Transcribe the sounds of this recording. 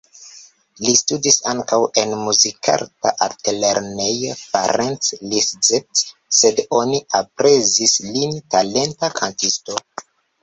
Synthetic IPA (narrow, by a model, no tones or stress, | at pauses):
listudisaŋkawe̞nmuzikʰa̰ɾta̰ʔatleɾnejofa̰ɾensliszetse̞do̞niapɾe̞zislintale̞ntakʰantisto